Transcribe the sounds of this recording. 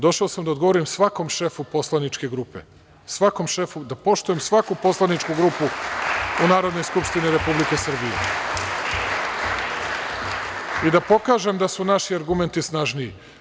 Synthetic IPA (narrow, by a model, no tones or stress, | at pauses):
d̪o̞ʃaosamd̪aod̪ɡo̞ʋo̞ɾimsʋako̞mʃe̞fupo̞slˠanit͡ʃke̞ɡɾuːpe̞̰ | sʋako̞mʃefud̪apo̞ʃt̪ujemsʋakupo̞slˠanit͡ʃkuɡɾupu | unaːɾo̞d̪no̞jskupʃt̪iniɾe̞publike̞sr̩bijḛ | id̪apo̞kaːʒe̞md̪asunaʃiaɾɡument̪isnaʒniḭ